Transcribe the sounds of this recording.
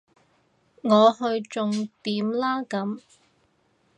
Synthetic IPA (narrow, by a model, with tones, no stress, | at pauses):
ŋɔː˨˧ɦɵ˧ɥt͡sʊ˨ŋt̪iː˨˥mlaː˥kɐ˨˥m